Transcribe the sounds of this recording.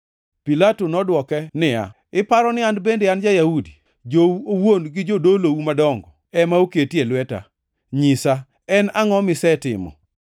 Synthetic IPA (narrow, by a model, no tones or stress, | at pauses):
pilatonɔdwɔkɛnɪa̰ | ɪpaɾɔnɪandbendeand͡ʒajahudi | d͡ʒoowonɡɪd͡ʒodolowumadɔŋɡɔɛmaoketjelwɛta̰ | ɲisa | ɛnaŋɔmɪsɛtɪ̰mɔ̰